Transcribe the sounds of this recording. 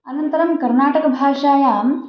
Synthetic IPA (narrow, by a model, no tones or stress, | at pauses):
ɐnɐnt̪ɐɾɐmkɐɾnaːʈɐkɐbʱaːʂaːjaːm